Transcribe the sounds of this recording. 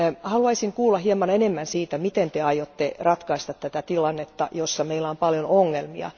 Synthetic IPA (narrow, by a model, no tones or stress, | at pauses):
hɑluɑisiŋkuːlːɑhiemɑnenemːænsiːt̪æmit̪ent̪eɑijot̪ːerɑt̪kɑist̪ɑt̪t̪æt̪æt̪ilɑnːet̪ːɑ̰josːɑmeilːæompɑljonoŋːelmiɑ̰